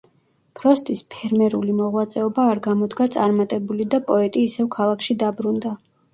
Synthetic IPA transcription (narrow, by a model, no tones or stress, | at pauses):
pʰɾɔst̪ʼispʰɛɾmɛɾulimɔʁwat̪sʼɛɔbaːɾɡamɔd̪ɡat̪sʼaɾmat̪ʼɛbulid̪apʼɔɛt̪ʼiːsɛvkʰalˠakʰʃid̪abɾund̪a